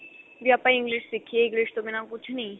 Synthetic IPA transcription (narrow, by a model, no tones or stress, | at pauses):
ʋiapãĩŋɡliʂsikʰːeiŋɡliʂt̪ominãkut͡ʃʰnɐĩ